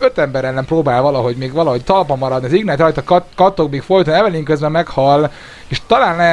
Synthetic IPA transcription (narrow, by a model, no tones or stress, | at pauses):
øt̪ɛmbɛɾɛlːɛmproːbaːlvɒlɒɦo̞ɟmeːɡʋɒlɒɦo̞ct̪ɒlpɒmːɒɾɒd̪niɒziɡnaːt̪rɒjt̪ɒkɒt̪okmiːkfo̞jt̪onɛvɛliːŋkøzbɛmːɛkhɒlː | eːʃt̪ɒlaːnlɛ